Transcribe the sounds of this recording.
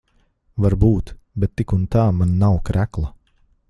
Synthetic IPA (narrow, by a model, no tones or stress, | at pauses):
vaɾbuːt̪ | bɛt̪ːikunt̪aːmanːawkɾæklˠa